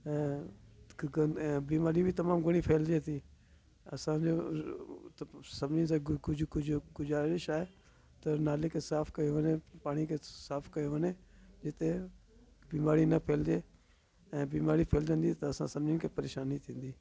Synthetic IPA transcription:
ɛ̃ː | biːmaːɾibʱɪt̪ɐmaːmɡʊɽ̃ipʰeːld͡ʒeːt̪iː | ɐ̰sãːd͡ʒoː | sɐbnɪns̬ãːʊd͡ʒkʊd͡ʒʱkʊd͡ʒaːɾɪʃaːɦe | t̪ɐnaːlekʰeːsaːpʰkɐoʋənepaːɽ̃ikʰeːsaːpʰkɐjoɦəneːd͡ʒɪt̪e | biːmaːɾinɐpʰeːld͡ʒeː | ɛ̃ːbiːmaːɾipʰeːld͡ʒə̃nd̪it̪ɐɐsãsɐbnɪnkʰeːpɐɾeːʃaːnit̪ʰĩːnd̪iː

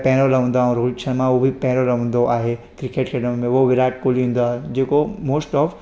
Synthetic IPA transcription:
pɛ̃ɦɾolɐʋə̃ːn̆d̪aːɦõɾoːʈt͡ʃʰənmãobʱipɛɦɾolɐʋə̃nd̪oʔaːɦe | kɾɪkeʈkʰeʈəmmẽʋoʋɪɾaːʈ̚koːliɦũːn̆d̪aːɦed͡ʑeːkomoːsʈɔːf

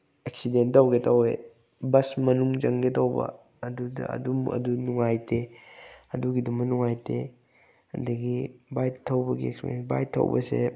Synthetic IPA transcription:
eksidentɐwɡetʰɐwḛ | bɐsmɐnuŋd͡ʒɐŋɡetɐwbɐ̰ | ɐdudɐ̰ɐ̰dumɐ̰dunuŋajtʰe | ɐduɡidumɐnuŋajtʰe | ɐ̰dɐɡibajtʰɐwbɐɡieksḛnba̰jtʰːɐ̰wbɐ̰sḛ

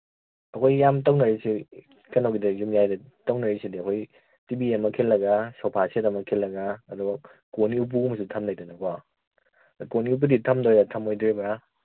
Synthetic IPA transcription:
ɐkʰojːamtɐwnɐɾisi | kɐnawɡidɐjumjajdɐtɐwnɐɾisidiɐkʰoj | tibiɐmɐkʰelːɐɡasawpʰasetɐmɐkʰelːɐɡaːduɡɔ | koniup̬umɐsutʰɐmdajdanɐka | koniup̬uditʰɐmdɔjɾatʰɐmojdɾebɾa

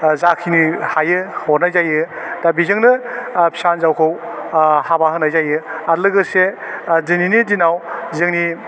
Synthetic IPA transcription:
zakʰinihajɯhɔɾnajzajɯd̥abizɯŋnɯpʰi̥sanzawkʰɯwhabaɦɯnajzajɯaɾlɯɡɯsezɯninidinawzɯŋni

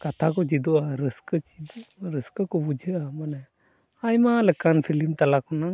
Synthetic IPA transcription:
kat̪ʰakɔd͡ʒid̪ɔaɾəskəd͡ʒid̪ɾəskəkɔbud͡ʒʱəamanɛ | ajmalɛkanpʰilimt̪alakɔna

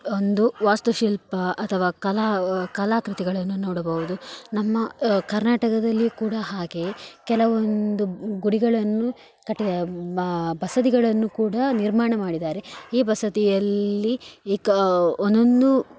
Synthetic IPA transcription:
ond̪uʋaːst̪uʃilpɐɐt̪ʰɐʋaːkɐlaːkɐlaːkɾit̪iɡɐɭɐnːunoːɽɐbɐʋud̪unɐmːɐkɐɾnaːʈɐkɐd̪ɐlːikuːɽɐɦaːɡe̞kɛlɐʋond̪uɡuɽiɡɐɭɐnːu | kɐʈːiɐ | bɐsɐd̪iɡɐɭɐnːukuːɽɐniɾmaːɳɐmaːɽid̪aːɾe̞iːbɐsɐd̪ijɐlːikond̪ond̪u

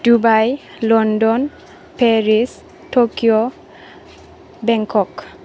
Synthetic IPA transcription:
d̥ubaj | lɔndɔn | pʰeɹis | tʰokijɔ | bɛŋkʰɔk

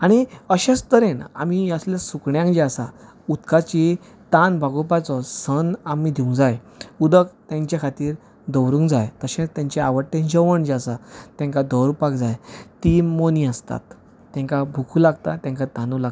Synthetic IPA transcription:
aɽ̃iəɕãst̪əɾena̰miəsljasukɳjãŋd͡ʑeasa̰ | ut̪kʰat͡ɕi | t̪anbʱaɡɔpat͡sɔsənamid̪ʱiũŋɡd͡zaj | ud̪əkt̪jãɲt͡ɕjakʰat̪iːɾ | d̪ɔwɾũŋɡd͡zajt̪əɕẽt͡st̪jãɲt͡ɕeaʋəɽʈ̪ẽnd͡ʑəʋəɳd͡ʑasat̪ɛ̃ŋkad̪ɔwɾupakd͡zajt̪imoniəst̪a̰t̪ː | ɛ̃ŋkabʱukʰulaɡ̚t̪at̪jãŋkat̪ãnulaɡ

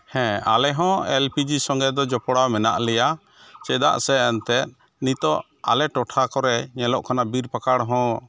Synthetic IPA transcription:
hɛ̃a̰lɛɦɔ̃ɛlpid͡ʒisɔŋɡɛd̪ɔd͡ʒɔpɔɽamɛna̰ʔlɛja | t͡ʃɛd̪a̰ʔsɛːnt̪ɛt̪̚ | nit̪ɔʔ | a̰lɛʈɔʈʰakɔɾɛɲɛlɔʔkʰanabiɾpakaɽɦɔ̃

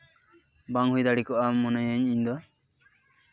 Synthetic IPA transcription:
baŋɦujd̪aɽikɔʔamɔnajəɲiɲd̪ɔ

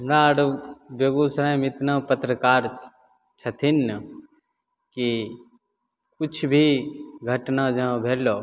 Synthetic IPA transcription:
mɾaːɽbeɡuːsɾajmɪt̪napət̪ɾəkaːɾ | t͡ʃʰɐt̪ʰin | ki | kʊt͡ʃʰbʱiɡʱɐʈnad͡ʒə̃bʱeːlːoː

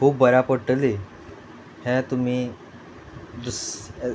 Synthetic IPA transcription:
kʰuːbːəɾapəɽʈəli | hɛ̃t̪um̤i | d̪us

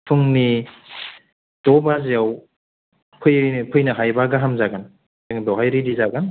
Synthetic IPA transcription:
pʰɯŋni | d̥ɔbazijaw | pʰɯjpʰɯjnaɦajbaɡaɦamzaɡan | ŋdɔɦajɾidizaɡan

